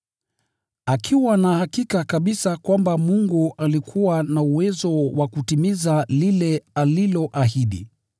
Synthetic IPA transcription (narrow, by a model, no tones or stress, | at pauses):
akʰiwanahakikakaɓisakwambamuŋɡuʔalikʰuwanauwɛzɔwakutimizalilɛalilɔʔaɦiɗḭ